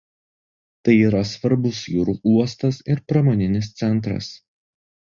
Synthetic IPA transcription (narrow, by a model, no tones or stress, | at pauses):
t̪ɐɪiːɾɐsʋɐɾbʊsjuːɾuːʔuɔst̪ɐsɪɾpɾɐmɔːnʲɪnʲɪs̬t̪sʲɛnt̪̬ɾɐ̰s